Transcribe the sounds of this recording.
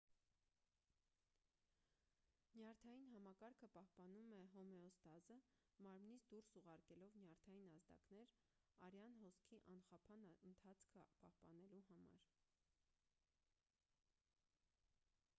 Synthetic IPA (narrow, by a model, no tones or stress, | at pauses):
njɑɾt̪ʰɑjinɦɑmɑkɑɾkʰəpɑhpɑnumɛɦɔmɛɔst̪ɑzə | mɑɾmnit͡sʰd̪uɾsuʁɑɾkɛlɔvnjɑɾt̪ʰɑjinɑzd̪ɑ̰knɛɾ | ɑɾjɑnɦɔskʰiʔɑnχɑpʰɑnənt̪ʰɑt͡sʰkʰəpɑhpɑnɛluɦɑmɑ̰ɾ